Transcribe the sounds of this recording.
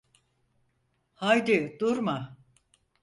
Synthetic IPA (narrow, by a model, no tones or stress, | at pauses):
hajd̪id̪uɾma